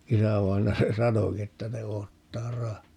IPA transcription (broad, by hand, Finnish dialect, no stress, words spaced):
isæʋɑinɑjɑ se sɑnoki etːæ ne oːtːɑː rɑhːɑː